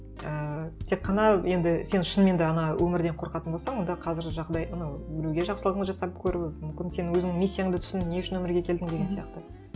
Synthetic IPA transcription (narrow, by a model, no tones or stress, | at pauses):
ət̪ʰe̞qːɑnɑje̞nd̪ɪse̞nʃənme̞nd̪eɑnɑwʔɵmɪɾd̪e̞ɴqʰo̞ɾqɑt̪ənbo̞lˠsɑɴwo̞nd̪ɑqʰɑzɪɾʒɑʁd̪ɑjʔɑnɑwbɪɾuwɡʲe̞ʒɑqsəlˠəʁəɴəzʒɑsɑp̚kʲʰɵɾɪwɪmʏmkʲɪnse̞nwɵzɪnɪŋmisʲːijaŋd̪t̪ʰʏ̥sɪnneʊʃɪnwɵmɪɾɡʲe̞kʲʰe̞ld̪ɪŋd̪eɡʲe̞nsijɑqt̪ə